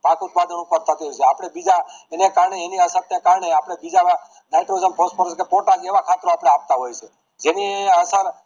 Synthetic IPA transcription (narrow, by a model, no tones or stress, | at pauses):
pakut̪̚pad̪ʱənõkəɾt̪at̪iɦojt͡ʃʰeapɽ̃ebid͡ʒaenekaɾɳeːniəsəɾnekaɾɳeapɽ̃ebid͡ʒaa | najʈɾoizəmpɔspoɾt͡ʃʰkepoʈakeʋakʰat̪ɾoapɽeap̚t̪aɦojt͡ʃʰe | d͡ʒenieəsəɾ